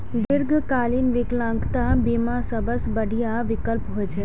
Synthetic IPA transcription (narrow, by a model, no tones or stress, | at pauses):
d̪ɪɾɡʱkalinʋɪklãŋkt̪abimãsəbəsbəɖʱijaʋɪkəlpɦojt͡ʃʰe